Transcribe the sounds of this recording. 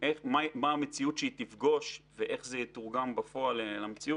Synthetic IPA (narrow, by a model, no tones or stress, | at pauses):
ʔeχmamaːmet͡siut̪ʃeit̪ifɡo̞ʃveʔe̞χzet̪uʁɡambafo̞alelamet͡siu